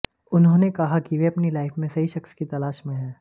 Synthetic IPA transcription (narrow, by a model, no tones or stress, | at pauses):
ʊnɦõːnekɐɦakiʋeɐpnilaːɪfmẽsɐɦiʃɐkskit̪ɐlaːʃmẽɦɛ̃ː